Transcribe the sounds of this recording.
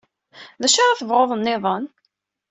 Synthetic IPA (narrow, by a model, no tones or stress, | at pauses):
ðæʃaɾˤaθəvʁoðˤənːɪðˤən